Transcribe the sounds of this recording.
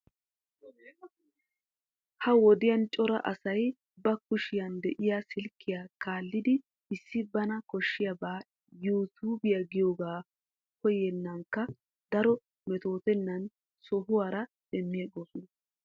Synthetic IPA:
hɐwɔd̪ɪjɐnt͡ʃʼɔɾɐ̰ʔɐsɐj | bɐkʊʃɪjɐnd̪ɛʔɪjasɪlkʰːɪjaːkaːlːɪd̪ɪ | ɪsːɪbɐnɐkɔʃːɪjɐbaː | juːt̪uːbɪjaɡɪjoːɡaː | kɔjɛnːɐŋkːɐ | d̪ɐɾɔ | mɛt̪o̞ːt̪ɛnːɐn | sɔɦʊwaːɾɐdɛmːɪjɐɡoːsɔnɐ

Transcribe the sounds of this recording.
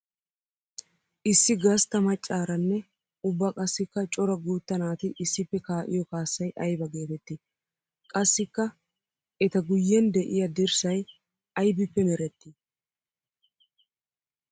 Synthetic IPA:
ʔɪsːɪɡɐst̪ɐmɐt͡ʃʼːaːɾɐnːɛ | ʊbːɐkʼɐsːɪkːɐt͡ʃʼɔɾɐɡuːt̪ːɐnaːt̪ɪʔɪsːɪpːɛkaːʔɪ̰jɔkaːsːɐjʔɐjbɐɡeːt̪ɛt̪ːɪ | kʼɐsːɪkːɐ | ɛt̪ɐɡʊjːɛnd̪ɛʔɪjɐd̪ɪɾsɐj | ɐjbɪpːɛmɛɾɛt̪ːɪ

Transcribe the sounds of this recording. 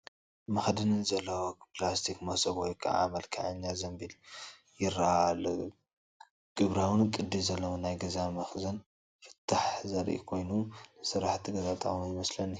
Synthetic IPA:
mɐxd̪ɨnɨnzɐlːɐwoplast̪ʰikmɐsɐbwɔjkʰa̰a̰mɐlkʰɐ̰ʕɨɲːazɐmbil | jɪɾaal | ɡ̥ɨβɾawɨnkʼɨd̪ːizɐlːɐwonajɡɐzamɐxzɐn | fɨ̥t̪ʰːaħzɐɾʔḭkʰo̞jnunɨsɨɾaħt̪ʰiɡɐzat̪ʼɐ̰χʼmujmɐslɐnːi

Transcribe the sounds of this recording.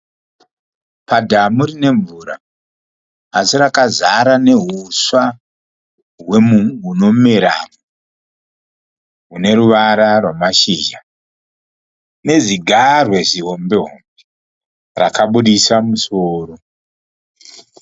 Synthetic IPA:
padʱamurine̞ɱvuɾa̰ | siɾakazaɾane̞ɦuswa | ɦwe̞muŋuno̞meɾa̰mu | ɦune̞ɾuʋaɾarwamaʃiːʒa | ne̞ziɡʱarwe̞ʐiɦo̞mbeɦo̰mbe | ra̰kaɓuɗisamusoːro̞

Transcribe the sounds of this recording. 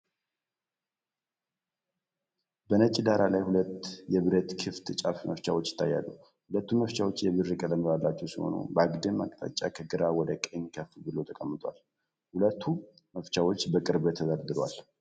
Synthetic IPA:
bənət͡ʃʼːid̪aɾalajhulət̪ːjɛβɨɾet̪kʰɨft̪ʰɨt͡ʃʼafməft͡ʃawot͡ʃːjɪ̥t̪ʰːajːa̰lːə̰ | hulət̪ːuməft͡ʃawo̞t͡ʃːjɛβɨrːɨkʼələməβalːat͡ʃːɛwsiho̞̰nṵbəaɡd̪ɨmːa̰kʼt̪ʰʼa̰t͡ʃʼːa̰kʰəɡɨɾawɔd̪əkʼəɲkʰəfbɨlo̞t̪ʰəkʼəmːɨt̪ʼwa̰l | hulət̪ʰːu | məft͡ʃawo̞t͡ʃːbəkʼɨɾbt̪ʰːəzaɾd̪ɨɾwa̰l

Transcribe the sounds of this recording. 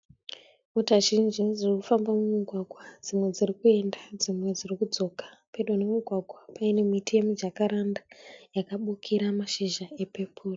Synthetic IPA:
mutaʒind͡ʒiʐirikufambamumuɡʱwaɡʱwad͡zimwe̞d͡zirikue̞ndad͡zimwe̞d͡zirikud͡zo̞kḁpe̞ɗonemiɡʱwaɡʱwapaine̞mitijemud͡ʒakaɾandajakaɓukʰiɾamaʃiʒae̞pepʰuːri

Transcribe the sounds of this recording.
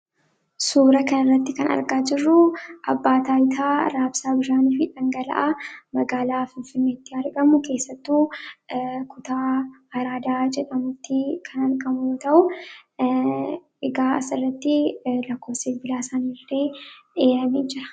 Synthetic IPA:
suːɾɐkɐnɐrːɐt̪ːɪkɐnɐ̰ɾɡaːd͡ʒɪrːʊʔɐbːaːt̪aːjt̪ʰaːɾaːbsaːbɪʃaːniːfɪᶑɐŋɡɐlɐ̰ʔamɐɡaːlaːfɪnfɪnːeːt̪ːɪɐɾɡɐmʊke̞ːsːɐt̪ːuː | kʊt̪aːɐɾaːd̪aːd͡ʒɛᶑɐmʊt̪ːɪkʰɐnɐɾɡɐmut̪ɐʔʊ | ɪɡaːsɪrːɐt̪ːɪlɐkːo̞ːfsɪfbɪlaːsanɪreːᶑeːʔɐmɛd͡ʒɪɾɐ̥

